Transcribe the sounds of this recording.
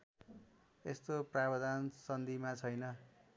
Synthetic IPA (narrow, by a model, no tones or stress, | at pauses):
est̪oprabʌd̪ansʌnd̪ʱimat͡sʰʌjnʌ